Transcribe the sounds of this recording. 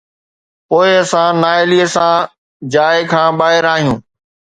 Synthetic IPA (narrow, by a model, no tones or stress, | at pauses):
poːɪɐsãnaːɪlisã | d͡ʑaːɪkʰãːɓaːɦɪɾaːɦijũː